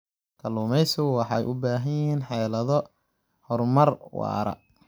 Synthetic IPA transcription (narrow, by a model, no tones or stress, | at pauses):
kʰɐluːmɛjsɪɣʊwɑħɑjʔʊbaːɦɐnjɪiːnħɛːlɐðɔ | hɔrmɐrwɑ̰ːɾɐ̰